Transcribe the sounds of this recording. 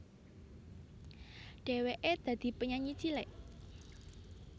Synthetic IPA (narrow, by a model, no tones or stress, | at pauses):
ɖ̥e̤weʔed̪̥ä̤d̪̥i̤pəɲaɲit͡ʃileʔ